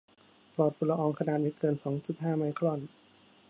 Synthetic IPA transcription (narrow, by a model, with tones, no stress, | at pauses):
plɔː˨˩t̪̚pʰu˨˩la˧ʔɔː˧ŋkʰa˧naː˨˩t̪̚mi˦˥kɤː˧nsɔː˩˦ŋt͡ɕu˨˩t̪̚ɦaː˥˩ma˧˥jkʰɾɔ˥˩n